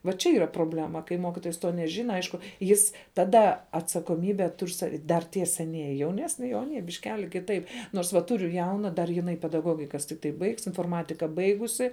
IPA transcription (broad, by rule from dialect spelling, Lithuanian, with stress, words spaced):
ʋɐ t͡ʃʲɛ ˈiːrɐ proːˈbʲlʲæːmɐ kɐɪ ˈmoːkʲɪtoːjɛs toː nʲɛˈʒʲɪnɐ ˈɐɪʃkʊ ˈjɪs tɐˈdɐ ɐtsɐkoːˈmʲiːbʲɛ ˈtʊrʲ sɐ dɐr ˈtʲiɛ sʲɛˈnʲiɛjɪ jɛʊˈnʲæːsʲnʲɪ ˈjɛʊ ɐˈnʲiɛ bʲɪʃʲˈkʲæːlʲɪ kʲɪˈtɐɪp ˈnoːrs ʋɐ ˈtʊrʲʊ ˈjɛʊnɐ dɐr jɪˈnɐɪ pʲɛdɐˈɡoːɡʲɪkɐs tʲɪkˈtɐɪ bɐɪks ɪnfoːrˈmɑːtʲɪkɐ ˈbɐɪɡʊsʲɪ